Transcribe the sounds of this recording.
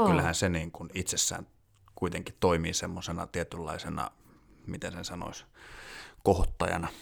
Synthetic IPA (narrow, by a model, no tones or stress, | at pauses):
kylːæhænseniːŋkunit̪sesːæ̰ːn | kuit̪eŋkitt̪oimiːsemːosenɑ̰t̪iet̪ylːɑ̰isenɑ̰ | mit̪ensensɑno̰is | kohot̪ːɑjɑ̰nɑ